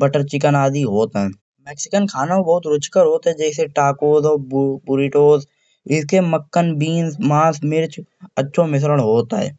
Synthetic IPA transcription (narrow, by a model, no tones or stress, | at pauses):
bəʈəɾt͡ʃɪkənaːd̪iɦoːt̪aɦɛ̃ː | mɛːksɪkənkʰaːnaobɐɦʊt̪ɾʊt͡ʃkəɾɦoːt̪aɦɛd͡ʒɛːs̬eʈaːkoːzɔːbbʊɾiʈoːz | ɪskeməkːənbiːnsmãːsmɪɾt͡ʃətːʃʰomɪs̬ɾəɽ̃ɦoːt̪aɦɛ̰ː